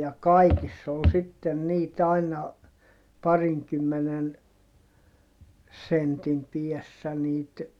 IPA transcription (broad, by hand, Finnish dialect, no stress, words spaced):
jɑ kɑikisː ol sitːen niːt ɑinɑ pɑriŋkymːenen sentim piɛsːæ niːt